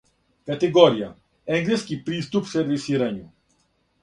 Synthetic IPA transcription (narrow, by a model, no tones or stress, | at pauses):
kɐt̪eɡɔɾija̰ | ɛŋɡleskipɾiːst̪upsɛɾʋisiɾaɲu